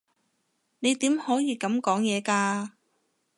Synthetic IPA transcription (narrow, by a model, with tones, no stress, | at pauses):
ne˨˧jt̪iː˨˥mhɔː˨˥jiː˨˧kɐ˨˥mkɔː˨˥ŋjɛː˨˧kaː˧